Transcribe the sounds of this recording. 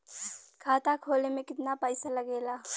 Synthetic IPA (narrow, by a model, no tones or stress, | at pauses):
kʰaːt̪akʰoːlemẽkɪt̪napəɪsaləɡeːlaː